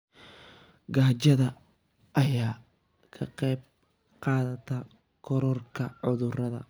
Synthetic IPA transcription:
ɡaːt͡ʃɐðɐ | ʔɐjaː | kʰɐqɛjb̚ | qɑːðɐt̪ʰɐ | kʰɔɾɔrkʰɐʕʊðʊrɐðɐ̰

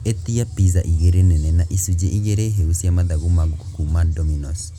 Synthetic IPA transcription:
etiapizaʔiɣeɾenɛnɛnaʔisud͡ʒeʔiɣeɾɛɦeusiamaðaɣomaɡoku̥kumandɔminɔs

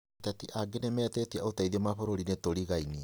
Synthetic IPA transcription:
tatiʔaɡenemɛːtɛtiaotaiðemafoɾoɾinetoɾiɣaini

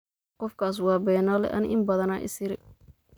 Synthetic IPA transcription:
qɔfkʰaːs̬wɑːbɛːnɔːlɛ̰ʔɐ̰nɪʔɪmbɐðɐnaːʔɪ̰sɪɾɪ

